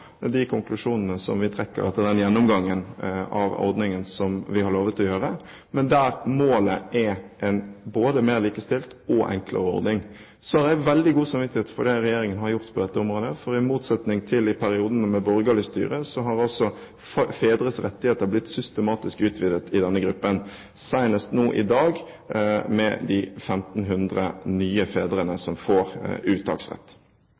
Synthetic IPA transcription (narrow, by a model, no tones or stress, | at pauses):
d̪ɪkʰʊŋklʉʂuːnənəsɔ̰mʋɪt̪ʰɾɛkːə̰ɾɛt̪ːəd̪ɛnjɛnːɔmɡɑŋːənɑ̰ʋɔ̰ɾd̪nɪŋənsɔmʋɪhɑɾɭoːʋət̪ɔjøːɾə | mɛnd̪æːɾmoːləʔɛʔɛnboːd̪əmeːɾliːkəst̪ɪlt̪ɔʔɛ̰ŋklə̰ɾəɔ̰ɾd̪nɪŋ | sɔæɾdæɪʋɛld̪ɪɡuːsɑmʋɪt̪ːɪheːt̪fɔd̪ɛɾɛjeːɾɪŋənhɑɾjʊɾt̪pʰɔd̪ɛt̪ːəɔmɾoːd̪əfɔɾɪmuːt̪sɛt̪nɪŋt̪ʰɪlɪpʰæɾɪuːd̪ənəmɛbɔɾɡəlɪst̪y̰ːɾəsɔɦɑʁɔlsɔ | feːd̪ɾəsʁɛt̪ːɪheːt̪əʁblɪt̪sʏst̪əmɑːt̪ɪskʉːt̪ʰʋɪd̪ət̪ʰɪd̪ɛnːəɡɾʉpːən | sæɪnəst̪noːʔɪ̰d̪ɑːɡ | mɛ̰d̪ɪfɛmt̪n̩ɦʉnd̪ʁə̰nyːəfeːd̪ɾənəsɔmfoːʁʉːt̪ʰɑ̰ːksʁɛ̰t̪ː